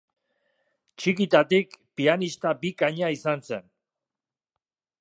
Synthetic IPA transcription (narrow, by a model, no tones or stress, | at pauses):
t͡ʃikit̪at̪ikpianist̪abikaɲaisanse̞n